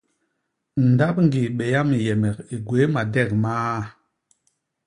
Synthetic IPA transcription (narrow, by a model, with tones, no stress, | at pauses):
n̩˨da˦pŋ˦ɡi˨ɓɛ˨ja˦mi˨jɛ˨mɛ˨ki˨ɡwe˨˦ma˨dɛ˦˨k̚maː˦